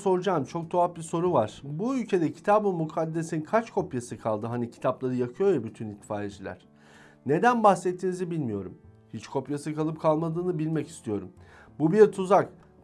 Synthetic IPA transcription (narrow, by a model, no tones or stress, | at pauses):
so̞ɾud͡ʒamt͡ʃʰo̞k̚d̪ʰoap̚biso̞ɾuvaɾ̥buylʲcʰe̞d̪ɛcʰi̥t̪ʰaːbɯmukʰad̪ːesikʰat͡ʃkʰo̞pjasɯkʰalˠd̪ɯɦanicʰi̥t̪ʰaplˠaɾɯjakʰɯjo̞jabyt̪ʰynit̪ʰːfaːɾed͡ʒilʲæ̰ɾ̥ | ne̞d̪ænbaxsɛt̪ʰːinizibilʲmijo̞ɾum | hit͡ʃkʰo̞pjasɯkʰalˠɯp̚kʰalˠmad̪ɯːnɯbilʲmɛci̥st̪ʰijo̞ɾum | bubiɾt̪ʰuzak